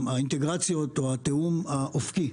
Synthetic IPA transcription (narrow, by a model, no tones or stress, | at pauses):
aint̪eɡʁat͡sjo̞t̪oat̪eumaʔofki